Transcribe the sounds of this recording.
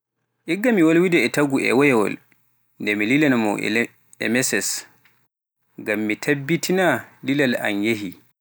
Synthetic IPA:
ʔiɡːamiwolwidɛːtaɡuʔɛ̰wɔjɛwɔ̰l | ndɛmililanamɔ̰ʔɛ̰ | ɛ̰mɛsɛs | ɡamːitʰabːitʰinalilala̰njeɦi

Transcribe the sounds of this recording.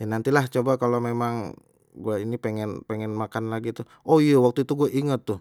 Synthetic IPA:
anant̪ilaht͡ʃobakalomemaŋ | ɡuainipeŋɛnpeŋɛnmakanlaɡit̪u | ʔoijawak̚t̪uit̪uɡuaʔiŋət̪ːʊh

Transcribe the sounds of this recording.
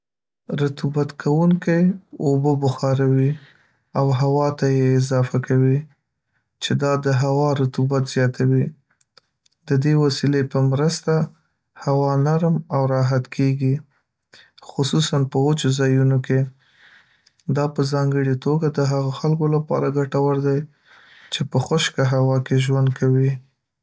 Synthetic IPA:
ɾat̪ubat̪kʰawuŋkajobəbʊxɑɾawi | awɦawɑt̪ajeːzɑfakʰawi | t͡ʃed̪ɑd̪əɦawɑɾat̪ubat̪z̥jɑt̪ʰawi | d̪əd̪ewasilepəmɾəst̪a | hawɑnaɾmawɾɑɦat̪kʰeɡi | xʊsusanpəot͡ʃzɑjunoke | d̪ɑpəzɑŋɡəɽit̪oɡad̪əɦaɣoxalkolapɑ̰ɾaɡaʈawəɾd̪aj | t͡ʃepəxʊʃkaɦawɑkeʒwand̪̚kʰawi

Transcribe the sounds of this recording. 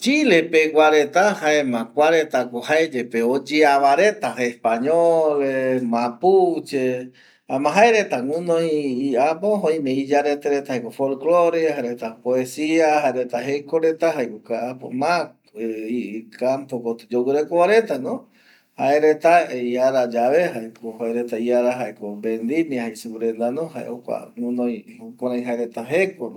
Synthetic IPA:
t͡ʃilepeɡʷaɾet̪ahaemãkʷaɾet̪akohaed͡ʒepeod͡ʒeaβaɾet̪aespaɲolemãput͡ʃe | amãɦaeɾet̪aŋũnõiːapoɦõj̃mẽid͡ʒaɾet̪eɾet̪ahajkofolkloɾehaɾet̪apoesiaɦaeɾet̪aɦekoɾet̪aɦaekokaʔapo̰mã | ikampokot̪ɨ̥d͡ʒowɨɾekoβaɾe̞t̪anõ | haeɾet̪aiaɾad͡ʒaβehaekohoeɾet̪aiaɾaɦaekobend̪imĩhajsuɾend̪anõɦaʔḛʔokʷa̰ŋũnõj̃okʷaɾãj̃ɦaeɾet̪aɦekono

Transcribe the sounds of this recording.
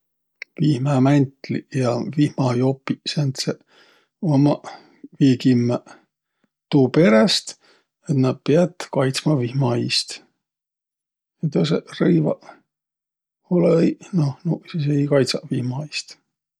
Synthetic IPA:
vihmæmænʲt̪lijɑvihmɑjopːˑisent̪se | omɑ | viːkimːæ | t̪uːpe̞ɾest̪ | et̪nɑd̪̚peɑd̪kɑjt̪smɑvihmɑist̪ | et̪oserɤjvɑ | olejnohnusis̬ejkɑjt̪sɑvihmɑjst̪

